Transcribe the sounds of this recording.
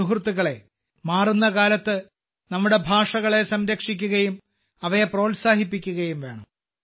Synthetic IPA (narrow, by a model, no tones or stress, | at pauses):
uɦrt̪ːuɣɐɭe̞ | maːrunːɐkaːlɐt̪ːɨ | nɐmːuɽe̞bʱaːʂɐɣɐɭe̞sɐmɾɐkʂik̬ʲːuɣɐjum | ɐʋɐjepro̞ːlsaːɦipːikʲːuɣɐjumʋe̞ːɳɐ̰m